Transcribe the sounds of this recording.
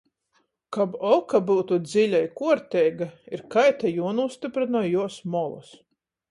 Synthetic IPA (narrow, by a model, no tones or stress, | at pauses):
kabɔkabuwt̪ud̪zilʲajkuɔɾt̪ʲɛːjɡaiɾkajt̪ajuɔnust̪ipɾɨnajuɔsmɔlˠṵs